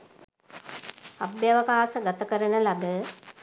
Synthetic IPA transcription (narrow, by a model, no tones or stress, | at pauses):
abjaʋəkaːsəɡat̪əkəɾənəlaɡə